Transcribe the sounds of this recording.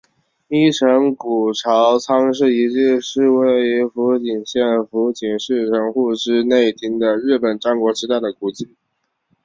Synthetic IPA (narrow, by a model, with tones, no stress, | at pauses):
i˥˩ʈ͡ʂʰɤ˧˥ŋku˨˩ʈ͡ʂʰɑ˧˥ʊt͡sʰɑ˥ŋʂ̬ɻ̩˥˩i˧˥t͡ɕi˥˧ʂɻ̩˥˧we˥˩ɪy˧˥fu˧˥t͡ɕi˨˩nɕjɛ˥˩nfu˧˥t͡ɕi˨˩nʂɻ̩˥˩ʈ͡ʂʰɤ˧˥ŋxu˥˧ʈ͡ʂɻ̩˥ne˥˩ɪt̪ʰi˥ŋd̪ə˨ɻɻ̩˥˩pə˨˩nʈ͡ʂɑ˥ŋkwɔ˧˥ʈ͡ʂɻ̩˧˥t̪a˥˩ɪd̪ə˩ku˨˩t͡ɕi˥˩